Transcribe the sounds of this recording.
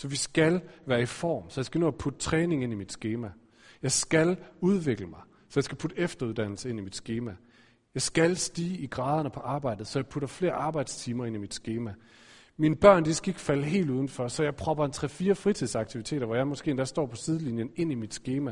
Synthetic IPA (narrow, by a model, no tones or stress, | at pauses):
sɒ̽ʋisɡ̥ælʋæːɐifɒ̰ːmsɒ̽jɑ̈ɪsɡ̥æno̰ðˠɐpʰud̥ət͡sʰʁɛːne̝ŋe̝nimid̥sɡ̥e̝ːmæ | jɑ̈ɪsɡ̥æluð̞ˠʋe̝ɡ̥ləmɑ̈ɪ | sɒ̽jɑ̈sɡ̥æpʰud̥əefd̥ɐuðˠd̥æn̰l̩səe̝nimid̥sɡ̥e̝ːmæ | jɑ̈ɪsɡ̥ælsd̥iːiɡ̥ʁɑ̈ːð̞ˠɐnəpʰɒ̽ʔɑ̈ːb̥ɑ̈ɪ̰d̥ð̩ˠsɒ̽jɑ̈ɪpʰuɾ̥ɐfle̝ːɐʔɑ̈ːb̥ɑ̈ɪ̰d̥st͡sʰiːmɐe̝n̰imid̥sɡ̥e̝ːmæ | minəb̥ɶɐ̰nd̥isɡ̥e̝ɡ̥fæləɦe̝̰ːlduð̞ˠn̩fɒsɒ̽jɑ̈ɪpʰʁɒ̽b̥ɐent͡sʰʁɛfiːɐfʁit͡sʰiðˠsɑ̈ɡ̥̚t͡sʰiʋit͡sʰe̝̰ːd̥ɐʋɒjɑɪmɒ̽sɡ̥e̝̰ːend̥æsd̥ɒ̰ːpʰɒ̽sið̞ˠəlinjəne̝n̰imid̥sɡ̥e̝ːmæ